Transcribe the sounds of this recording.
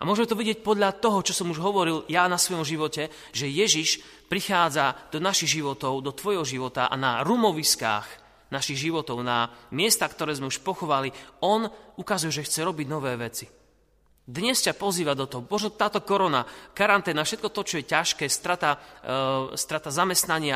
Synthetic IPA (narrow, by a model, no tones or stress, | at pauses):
ʔamʊɔʒɛmɛt̪ɔʋiɟɪɛc̚pɔd̪ʎat̪ɔɦɔt͡ʃɔsɔmuʒɦɔʋɔɾiljanasʋɔjɔmʒiʋɔcɛ | ʒɛjɛʒiʃ | pɾixaːd͡zad̪̥ɔnaʃiɣʒiʋɔt̪ɔʊd̪ɔt̪ʋɔjɦɔʒiʋɔt̪a̰ʔa̰naɾumɔʋiska̰ːx | naʃiɣʒiʋɔt̪ɔʊnamɪɛst̪akt̪ɔɾɛːzmɛuʃpɔxɔʋaliɔnukazujɛʒɛxt͡sɛɾɔbiɟnɔʋɛːʋɛt͡si | d̪ɲɛscapɔziːʋad̪ɔt̪ɔɦɔmɔʒnɔt̪aːt̪ɔkɔɾɔnakaɾant̪ɛːnafʃɛt̪̚kɔt̪ɔt͡ʃɔjɛcaʃkɛːst̪ɾat̪a | st̪ɾat̪azamɛst̪naɲɪa